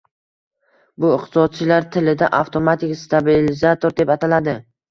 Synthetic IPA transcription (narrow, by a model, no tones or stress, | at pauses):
bʊɪqt̪ʰɪ̥sɒd̪̚t͡ʃʰɪlaɾt̪ʰɪlɪd̪aʔaft̪ʰo̞mat̪ɪkʲst̪abilɪzat̪ʰoɾd̪e̞pat̪ʰalad̪ɪ